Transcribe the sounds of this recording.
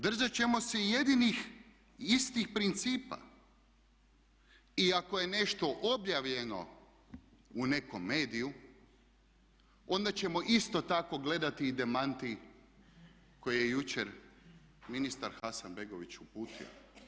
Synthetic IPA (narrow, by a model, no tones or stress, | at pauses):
d̪r̩ʒat͡ɕe̞mo̞seije̞d̪inix | ist̪ixpɾint̪siːpa̰ | iako̞je̞ne̞ʃt̪o̞ʔobjaʋʎe̞no̞̰ | une̞ko̞mːe̞ːd̪iju | o̞nd̪at͡ɕe̞mo̞ʔist̪o̞t̪ako̞ɡle̞d̪at̪iːd̪e̞mant̪i | ko̞jejejut͡ɕeɾ | minist̪aɾxasanbeɡo̞ʋit͡ɕupuːt̪ʰḭo̰